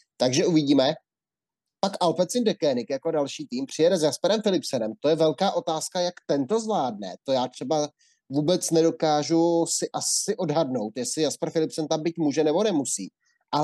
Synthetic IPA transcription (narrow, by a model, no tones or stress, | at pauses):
t̪aɡʒɛʔuvɪɟiːmɛ | pakʔalpɛt͡sɪndɛkɛːnɪkjako̞dalʃiːt̪iːmpr̝̥ɪjɛdɛzjaspɛɾɛmfɪlɪpsɛnɛmt̪o̞jɛvɛlkaːʔo̞t̪aːskajakt̪ɛnt̪o̞zvlaːd̚nɛ̰t̪o̞jaːt̪r̝̥ɛba | vuːbɛt͡snɛdo̞kaːʒusɪʔasɪʔo̞dɦadno̞wt̪jɛslɪjaspɛɾfɪlɪpsɛnt̪ambit̪muːʒɛnɛbo̞nɛmusḭː | ʔa